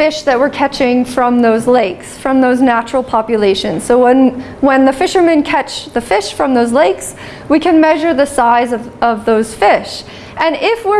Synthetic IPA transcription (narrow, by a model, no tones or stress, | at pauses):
fɪʃðɨt̚wəɹkʰæt͡ʃɪ̃ŋfɹʌ̃mðoʊzleɪksfɹʌ̃mðoʊznæt͡ʃɹl̩ˠpʰɑpjɨleɪʃɨ̃nz̥soʊwə̃n | wə̃nðɨfɪʃə˞mɨ̃nkʰæt͡ʃðɨfɪʃfɹʌ̃mðoʊzleɪks | wikʰɨ̃nmɛʒə˞ðɨsaɪzʌvʌvðoʊz̥fɪʃ | ʔɨ̃nɪfwɪ